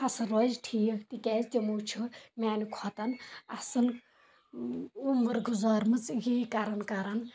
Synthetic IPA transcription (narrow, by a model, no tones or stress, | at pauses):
ɐsɐɾoːzʈʰiːkʰt̪ikʲɛːzʲt̪ʲimuːt͡ʃʰumʲaːnikʰɔt̪ɐnɐsɨn | umɨɾɡuzaːɾmɨt͡sɡiːkɐɾɐnkɐɾɐn